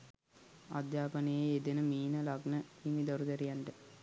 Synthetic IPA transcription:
a̰d̪jaːpɐnejeed̪enəmiːnəlaɡnəimid̪oɾuɡ̪ɐɾijanɖə

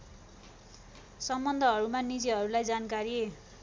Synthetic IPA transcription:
sʌmbʌnd̪ʱʌɦʌɾumanid͡ziɦʌɾulajd͡zankaɾie

